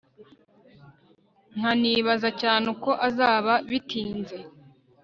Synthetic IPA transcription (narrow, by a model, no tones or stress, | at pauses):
ŋ̥haniːβazacaːneko̞ʔazaːβaβitiːnze